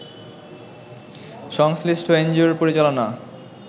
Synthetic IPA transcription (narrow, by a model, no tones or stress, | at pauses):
ʃɔŋsliʃʈʰoend͡ʑioɾpoɾit͡ɕalona